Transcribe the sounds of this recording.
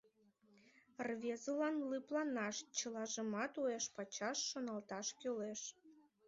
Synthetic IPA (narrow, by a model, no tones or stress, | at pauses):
rβʲezəlɑnlɨplɑnɑʃt͡ɕəlɑʒəmɑt̪ueʃpɑt͡ɕɑʃːonɑlt̪ɑʃkøleʃ